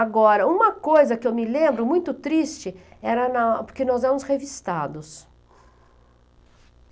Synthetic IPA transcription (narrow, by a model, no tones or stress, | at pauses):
aɡɔɾɐũmɐkojzɐkɪewmɪlẽmbɾʊmũj̃t̪ʊt̪ɾist͡ʃɪɛɾɐnɐpoɾkenɔzɛɾɐmʊshevist̪ad̪ʊs